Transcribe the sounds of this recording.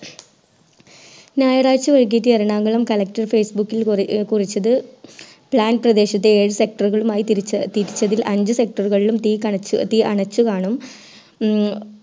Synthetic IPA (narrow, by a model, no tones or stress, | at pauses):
naːjɐɽaːt͡ɕːɨʋɐɻk̬ːitːiɐɾɐɳaːŋɡɐɭɐmkɐlɐkʈɐrfeːsbukːilkurit͡ɕːɐðɨ | pɭaːnprɐd̪e̞ːɕɐt̪ːeeːɻɨse̞k̚ʈɐruɣɐɭumaːjiɐt̪iɾit͡ɕːɐðilʔɐɲd͡ʑɨse̞k̚ʈɐruɣɐɭilumt̪iːkɐɐt̪iɐɳɐt͡ɕːukaːɳum